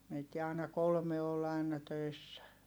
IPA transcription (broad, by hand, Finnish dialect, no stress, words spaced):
meitːi ɑˑi̯nɑ kolme ol ɑinɑ tøisːæ